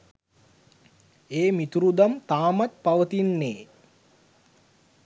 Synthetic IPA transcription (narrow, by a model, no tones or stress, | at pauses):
eːmit̪uɾud̪amt̪aːmat̪̚paʋət̪inːeː